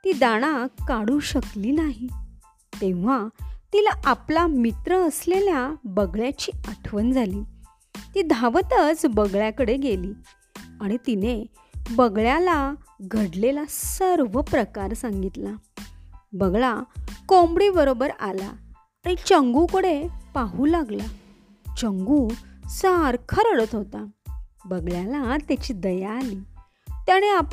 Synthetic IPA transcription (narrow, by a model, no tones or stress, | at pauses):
t̪iːd̪aɽ̃akaɽuːɕəkliːnaɦi | t̪ẽʋ̤at̪ilaʔaplamit̪ɾəːsleljabəɡɭjat͡ɕiːəʈʰʋənd͡zʱaliː | t̪iːd̪ʱaʋt̪ət͡sbəɡɭjakəɽeɡeliː | aɽ̃it̪ine | bəɡɭjalaɡʱəɽlelasəɾʋəpɾəkaɾsaŋɡit̪la | bəɡɭakombɽibəɾobəɾala̰ː | ɽ̃it͡ɕəŋɡukəɽepaɦuːlaɡla | t͡ɕəŋɡusaɾkʰəɾəɽət̪ɦot̪abəɡɭjalat̪jat͡ɕiːd̪əjaːliː | t̪jaɽ̃eap